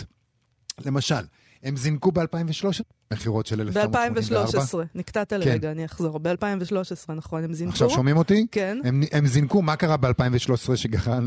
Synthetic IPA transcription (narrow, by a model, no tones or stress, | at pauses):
le̞maʃal | e̞mzinkubealpaimveʃlo̞ʃ | meχiʁo̞tʃelelefbealampaimveʃloaʁebasʁenikt̪at̪alkenɡaːniaχzo̞ʁbealpaimveʃlo̞ʃesʁenaχo̞nemziaχʃavvʃo̞mimo̞t̪ikenemʔemzinkumakaʁabealpaiɱveʃlo̞ʃe̥sʁeʃeɡaχan